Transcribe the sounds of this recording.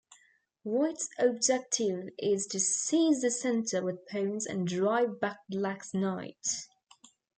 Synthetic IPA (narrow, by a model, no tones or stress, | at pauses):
watsəb̚d͡ʒɛk̚tʰɪvɪz̥tʰɨsiːzðɨsɛ̃ntʰəwɪð̥pʰə̃ʊ̃nzə̰̃ndɹaɪvbak̚blaksnaɪt